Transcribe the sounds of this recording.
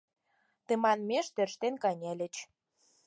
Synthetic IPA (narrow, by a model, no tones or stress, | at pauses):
t̪ĕmɑnmʲeʃt̪ørʃt̪enkɑnʲelʲə̆t͡ɕ